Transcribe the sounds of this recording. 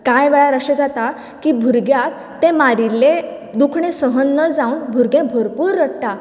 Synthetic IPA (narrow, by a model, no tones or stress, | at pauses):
kajʋɛɭaɾəɕed͡zat̪a | kiːbʱuɾɡjãt̪ːẽmaɾilːe | d̪ukʰɳẽsəɦənːəd͡zaunbʱuɾɡjẽbʱəɾpuːɾːəɽt̪a